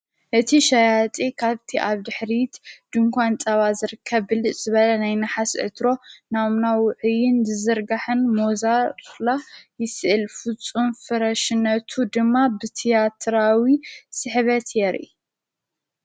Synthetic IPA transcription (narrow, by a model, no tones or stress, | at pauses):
ʔɨt̪ʰiʃajat̪ʼikʰaβt̪ʰiʔaβd̪ɨħɾit̪d̪̥ɨŋkʷant͡sʼɐβazɨɾɨkʰːɐβɨlɨz̥ɨβɐlɐnajnɐħasʕɨ̰t̪ɾo̞naβmnawʊʕɨjɪnzɨzɨɾɡaħɨnmozalajɪsɨʔɨlfɨt͡sʼːunfɨɾɐʃɨnɐt̪ʰud̪ɨmːabɨt̪ʰijat̪ʰɾawisɨħβɐt̪ʰjɛɾʔḭ